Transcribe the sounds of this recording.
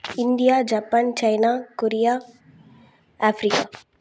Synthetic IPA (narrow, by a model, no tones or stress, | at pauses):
ɪnd̪ijaːd͡ʒaːpːaːnt͡ʃɐɪnakoɾijaː | aːfɾikaː